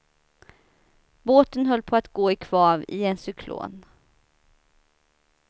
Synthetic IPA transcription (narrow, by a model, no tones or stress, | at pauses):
boːt̪ənɦœlːpʰɔat̪ɡoːɪkʰv̥ɑːvɪ̰ɛnsʏkʰlo̰ːn